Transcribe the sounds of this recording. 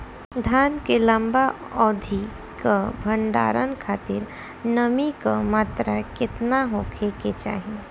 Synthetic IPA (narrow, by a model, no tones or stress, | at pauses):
d̪ʱaːnkelə̃mba | ɔːd̪ʱi | kabʱəɳɖa̰ːɾə̰nkʰaːt̪ɪɾ | nəmikamaːt̪ɾakɪt̪naɦoːkʰeket͡ʃa̰ːɦie